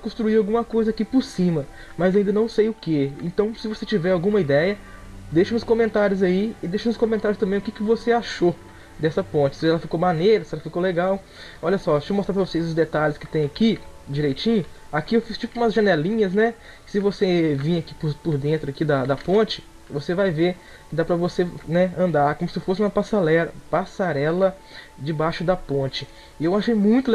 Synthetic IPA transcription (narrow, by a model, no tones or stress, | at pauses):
kõst̪ɾuiawɡũmɐkojzɐakipʊɾsĩmɐ | mɐzaĩd̪ɐnɐ̃w̃sejʊkeḛ̃nt̪ɐ̃w̃sɪvoset͡ʃivɛɾawɡũmɐid̪ɛjɐd̪ejʃɐnʊskõmẽnt̪aɾjʊzaiɪd̪ejʃɐnʊskõmẽnt̪aɾʊst̪ɐ̃mbẽj̃ʊkɪkɪvoseaʃo | d̪ɛsɐpõnt͡ʃɪ̥sɪɛlɐfikomanejɾɐsɪɛlɐfikoleɡaw | ɔʎʲɐsɔʃẽmost̪ɾapɾɐvosejzʊzd̪et̪aʎɪskɪ̥t̪ẽj̃ɐkid͡ʒiɾejt͡ʃĩɲʊakiewfist͡ʃipʊũmɐzʒɐ̃nɛlĩɲɐznɛ | ɪ̥sɪvosevĩɐki̥pʊpʊɾd̪ẽnt̪ɾʊakid̪ɐd̪ɐpõt͡ʃɪ̥ | vosevajveɾ | kɪd̪apɾɐvosenɛɐ̃nd̪aɾkõmʊsɪfosɪũmɐpasaɾɛlɐpasaɾɛlɐ | d͡ʒɪbaʃʊd̪ɐpõnt͡ʃɪ | ɪewaʃejmũj̃t̪ʊ